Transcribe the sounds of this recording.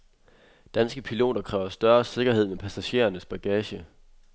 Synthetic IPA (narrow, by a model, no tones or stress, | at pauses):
d̥ænsɡ̥əpʰilo̝̰ːdɐkʰʁɛːʊɐsd̥ɶɐse̝ɡ̥ɐɦhe̝ð̰ˠmepʰæsæɕe̝̰ːɐnəsb̥æɡ̥ɛːɕə